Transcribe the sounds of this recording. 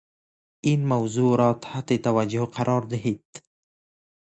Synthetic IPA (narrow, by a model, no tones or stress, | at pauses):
inmawzuɾɑt̪hat̪et̪awad͡ʒʊhqʰaɾʔɑɾd̪ɪɦed̪̥